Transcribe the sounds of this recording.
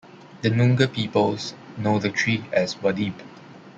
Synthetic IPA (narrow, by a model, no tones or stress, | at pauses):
d̪ənũŋɡəpipəlsnodətʰɹiɛswɔdib